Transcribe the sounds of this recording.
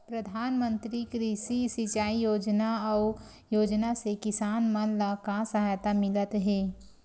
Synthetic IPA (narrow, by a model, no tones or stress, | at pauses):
pɾɐd̪ʱaːnmə̃nt̪ɾikɾiʃisɪt͡ʃaːijoːd͡ʒnaɔː | joːd͡ʒnasekɪsaːnmənlakasɐɦaːjt̪amɪlət̪ɦɛː